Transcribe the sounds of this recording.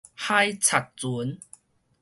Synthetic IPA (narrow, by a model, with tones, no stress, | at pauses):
ha˥˧jt͡sʰa˨˩t̪̚t͡su˨˦n